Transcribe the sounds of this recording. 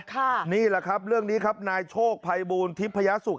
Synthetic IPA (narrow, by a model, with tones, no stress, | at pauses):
kʰa˥˩niː˥˩la˨˩kʰa˦˥p̚ɾɯ˥˩əŋniː˦˥kʰa˦˥p̚naː˧jt͡ɕʰoː˥˩k̚pʰa˧jbuː˧nt̪ʰi˦˥pʰːa˧ja˦˥su˨˩k̚